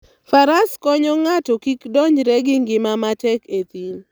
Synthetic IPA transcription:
faɾaskɔɲɔŋatɔkikdɔɲd͡ʒɾɛɡɪŋɡɪmamatɛket̪il

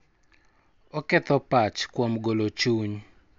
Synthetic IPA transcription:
ɔkɛt̪ɔpat͡ʃkwomɡolot͡ʃuɲ

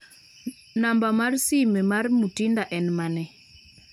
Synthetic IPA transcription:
nambamaɾsimɛmaɾimutindaʔɛnmanɛ

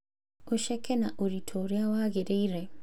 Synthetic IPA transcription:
oʃekenaʔoɾitʰoɾjawaɣeɾeiɾe

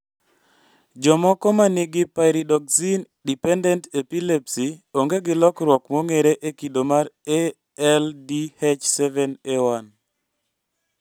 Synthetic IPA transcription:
d͡ʒɔmɔkɔmanɪɡɪpaɾidɔksin | dipɛndɛntepilepsioŋɡeɡɪlɔkɾwɔkmoŋeɾeʔekidomaɾe | ɛldihet͡ʃsɛvɛnewan

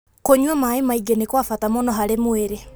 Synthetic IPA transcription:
koɲwamaemaiɡenekwafatamonɔɦaɾemweɾe

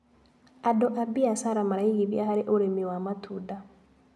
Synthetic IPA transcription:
adɔʔabiasaɾamaɾaiɣiβjahaɾeʔoɾemiwamatʰuda

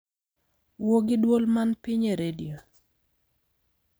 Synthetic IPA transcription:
woɡɪdwolmanpiɲeɾedḭjo

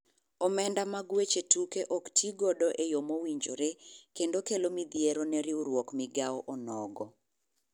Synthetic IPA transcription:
ɔmɛndamaɡwet͡ʃetukeʔɔktʰiɡɔdɔʔejomowiɲd͡ʒo̰ɾekendokelomid̪jeɾonɛɾɪuɾwɔkmɪɡaɔʔɔnɔɡɔ

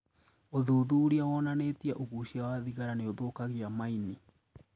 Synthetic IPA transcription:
oðoðuɾiawɔnanetiaʔoɣuɕiawaðiɣaɾaneoðokaɣeamaini

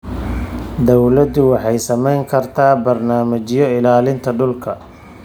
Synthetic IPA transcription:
d̪ɔwlɐd̪ʊwɑħɑjsɐmɛjŋkʰɐrt̪ʰaːbɐrnaːmɐt͡ʃɪjɔɪlaːlɪnt̪ʰɐɖʊlkʰɐ

